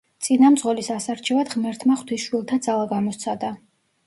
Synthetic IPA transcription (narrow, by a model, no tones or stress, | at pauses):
t̪sʼinamt̪zʁɔlisasaɾt͡ʃʰɛvad̪ʁmɛɾt̪ʰmaχwt̪ʰisʃwilˠt̪ʰad̪zalˠaɡamɔt̪sʰad̪a